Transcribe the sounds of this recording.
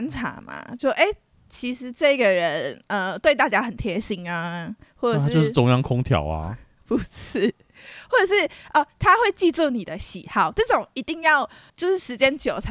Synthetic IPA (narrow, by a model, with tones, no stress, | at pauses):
nʈ͡ʂʰa̰˧˥˦ma̰˧˩t͡ɕo˥˧ʔe˥˩ɪ | t͡ɕʰi˧˥ʂɻ̩˧˦ʈ͡ʂɤ˥˧ɡə˩ɻə˧˦nə˧˩t̪we˥˧ɪt̪a˥˩t͡ɕja˥xə˨˩nt̪ʰjɛ˧˦˥ɕi˧˥ŋa˧xwɔ˥˩ʈ͡ʂə˨t͡ɕjo˧ʊʂɻ̩˥˩ʊ˧˥ŋjɑ˥ŋkʰʊ˥ŋt̪ʰjɑ̰˨˩ʊa̰˦ | pu˨˩˦ʂ̩˥˩ | xwɔ˥˩ʈ͡ʂə˨˩ʂɻ̩˥˩ʔə˧˩t̪ʰa˦xwe˥˧ɪt͡ɕi˥˧ʈ͡ʂu˥˩ni˨˩d̪ə˦ɕḭ˨˩˦xɑ˥˩ʊʈ͡ʂɤ˥˩ʈ͡ʂʊ˨˩ŋi˧˥t̪i˥˧ŋjɑ˥˩ʊ | t͡ɕjo˥˧ʊʂɻ̩˥˩ʂɻ̩˧˥t͡ɕjɛ˦˥nt͡ɕjo˨˩ʊt͡sʰa˧˦